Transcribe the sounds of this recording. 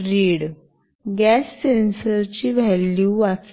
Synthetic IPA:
ɾiːɽ | ɡæsːensəɾt͡ɕiːʋɛlːuːʋat͡s

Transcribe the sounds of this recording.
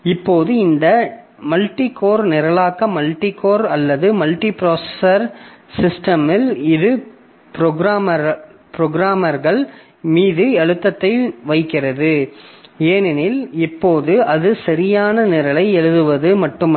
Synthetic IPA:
ɪpːoːðɯɪnd̪ɐ | mɐlʈikoːɾnɪɾɐɭaːkɐmɐlʈikoːɾɐlːɐðɯmɐlʈipɪɾoːsɛsɐɾsɪsʈɐmɪlɪðɯ | pɾɔɡɾaːmɐɾpɾɔɡɾaːmɐɾɣɐɭ | miːðɯɛɻɯt̪ːɐt̪ːɐɪʋɐɪkːɪrɐðɯ | eːnɛnɪlɪpːoːðɯɐðɯsɐɾɪjaːnɐnɪɾɐlɐɪɛɻɯðɯʋɐðɯmɐʈːɯm

